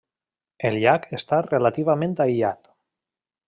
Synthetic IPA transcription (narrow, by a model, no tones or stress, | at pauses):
elʎakest̪arelat̪iβamẽnt̪ajʎat̪